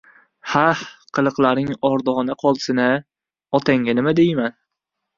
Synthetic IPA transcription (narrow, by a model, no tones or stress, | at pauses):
hahqʰɨlˠɨqlˠaɾnɪŋɒɾd̪ɒʁnaqʰɒlˠsɪna | ɒt̪ʰaŋɡʲanɪmad̪ejman